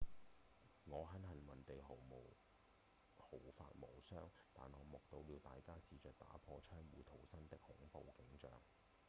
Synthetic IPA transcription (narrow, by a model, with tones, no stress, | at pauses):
ŋɔː˨˧ɦɐ˨˥nhɐ˨˩nwɐ˨˩nt̪e˨jɦo˨˩wmo˨˩w | ho˨˩wfa̰ː˧t̚mo˨˩wsœː˥ŋt̪aː˨nɔː˨˧mɔ˨k̚t̪o˧wliː˨˧wt̪aː˨jkaː˥siː˨˧t͡sœː˨k̚t̪a̰ː˨˥pʰɔː˧t͡ʃʰœː˥ŋwuː˨˧t̪ʰo˨˩wsɐ˥nt̪ɪ˥k̚hʊ˨˥ŋpo˨˧wkɪ˨˥ŋt͡ʃœː˨ŋ